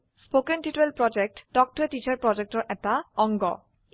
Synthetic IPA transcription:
spokenʈiʈuelpɹɔd͡ʑek̚ʈɖɔk̚ʈetit͡ɕaɹpɹɔd͡ʑek̚ʈɔɹʔɛtaɔŋɡɔ̰

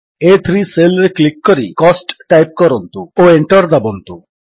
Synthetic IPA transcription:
et̪ʰɾiselɾeklikːɔɾḭkɔsʈʈajpkɔɾɔnt̪uoeɳʈɔɾd̪abɔnt̪u

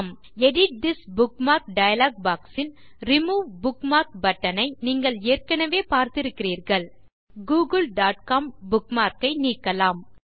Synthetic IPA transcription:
m | ɛɽɪʈ̚d̪ɪsbʊkmaːɾk̚ɖɐjɐlaːɡ̚baːksɪn | ɾɪmuːbʊkmaːɾk̚bɐʈːɐnɐɪniːŋɡɐɭeːrkɐnɐʋeːpaːɾt̪ɪɾɯkːɪriːɾɣɐɭ | ɡuːɡɐlɖaːʈ̚kaːmbʊkmaːɾkɐɪniːkːɐlaːm

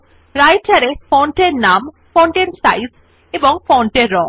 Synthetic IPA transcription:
ɾajt͡ʃʰaɾepɔɳʈeɾnam | pɔɳʈensajz | ebɔŋfɔɳʈeɾːɔ

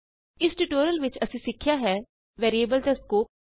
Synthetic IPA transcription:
ɪsʈiʈoːɾəlʋɪt͡ʃəsĩːsɪkʰːjaːɦɛː | ʋɛːɾiːebəlt̪ɛːskoː

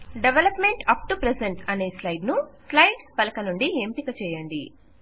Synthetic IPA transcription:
ɖeʋelɐpme̞ɳʈɐp̚ʈupɾeseɳʈɐne̞ːslɐjɖnuslɐjɖspɐlɐkɐnuɳɖiempikɐt͡ʃɛːjɐɳɖḭ

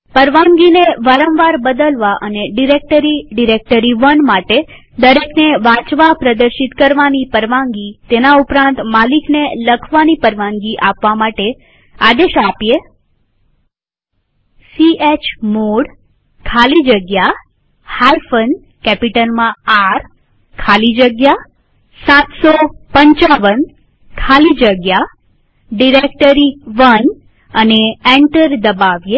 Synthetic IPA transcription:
pəɾʋãŋɡineʋaɾə̃mʋaɾbəd̪əlʋaʔəneɖiɾek̚ʈəɾiɖiɾek̚ʈəɾiʋənmaʈe | d̪əɾekneʋãt͡ʃʋapɾəd̪əɾʃit̪kəɾʋanipəɾʋãŋɡit̪enaupɾãnt̪malikneləkʰʋanipəɾʋãŋɡiʔapʋamaʈe | ad̪eʃapje | siet͡ʃmoɽ | kʰalid͡ʒəɡja | haɾfən | kɛpiʈəlmãaɾ | kʰalid͡ʒəɡja | sat̪sopəɲt͡ʃaʋən | kʰalid͡ʒəɡja | ɖiɾek̚ʈəɾiʋən | əneeɳʈəɾd̪əbaʋje

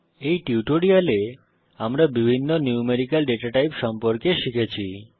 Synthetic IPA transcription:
ejʈiuʈoɽiale | amɾabibʱinːoniumeɾikalɖeʈaʈajpʃɔmpoɾkeʃikʰet͡ɕʰi

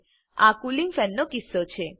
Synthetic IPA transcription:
akuliŋfɛnːokisːot͡ʃʰe

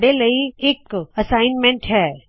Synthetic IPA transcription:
ɽelɐieːkɐsaːɪnmẽɳʈɦɛː

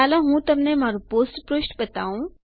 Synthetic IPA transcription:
aːlaɦũt̪ɐmnemaːɾupoːsʈpɾoːsʈbət̪a̰ːũ

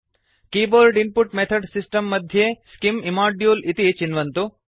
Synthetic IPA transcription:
kiːboːɾɖinpuʈmet̪ʰɐɖsisʈɐmːɐd̪ʱjeːskimimaːɖjuːlit̪it͡ʃinʋɐnt̪u

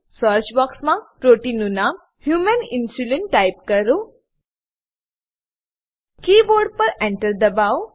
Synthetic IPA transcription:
səɾt͡ʃbɔksmãpɾoʈinuna | hjumɐninsuleɳʈːajp̚kəɾu | kiːboɾɖ̚pəɾeɳʈəɾd̪ɐbaw

